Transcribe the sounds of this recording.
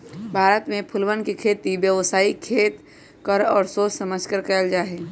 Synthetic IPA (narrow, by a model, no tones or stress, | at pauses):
bʱaːɾət̪mẽpʰʊlʋənkekʰeːt̪iʋjəʋsaːikʰeːt̪ | kəɾɔːɾsoːssəməd͡ʒkəɾkɛːld͡ʒaːɦeː